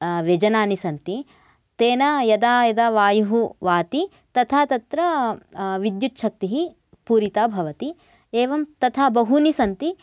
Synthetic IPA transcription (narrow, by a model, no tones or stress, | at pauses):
ʋed͡ʒɐnaːnisɐnt̪i | t̪eːnɐjɐd̪aːjɐd̪aːʋaːjuɦuʋaːt̪i | t̪ɐt̪ʰaːt̪ɐt̪ɾɐ | ʋid̪jut̪ʃʰɐk̚t̪iɦi | puːɾit̪aːbʱɐʋɐt̪i | eːʋɐmt̪ɐt̪ʰaːbɐɦunisɐnt̪i